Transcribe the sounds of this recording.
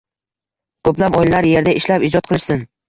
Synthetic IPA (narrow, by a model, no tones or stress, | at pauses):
kʰɵplapɒjlalaɾje̞ɾd̪aʔɪʃlapɪd͡ʒɒt̪̚qʰɨlˠɪʃsɪn